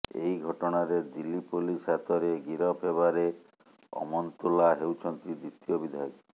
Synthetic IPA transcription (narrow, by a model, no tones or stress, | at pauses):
ḛiɡʱɔʈɔɽ̃aɾed̪ilːipolisat̪ɔɾeɡiɾɔpʰɦeβaɾe | ɔ̰mɔnt̪ulaɦewt͡ʃʰɔnt̪id̪ɾit̪ijɔbid̪ʱaj